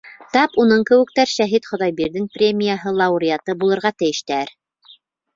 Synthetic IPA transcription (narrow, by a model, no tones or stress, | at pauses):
t̪ɑpunɤɴkɘ̆wɘ̆k̚t̪æɾʃæɦit̪χŏðɑjbiɾðɘŋprʲemʲijaɦɤlˠɑuɾʲiɑt̪ɤbulˠɤ̆ɾʁɑt̪ɘ̆jɘ̆ʃt̪æɾ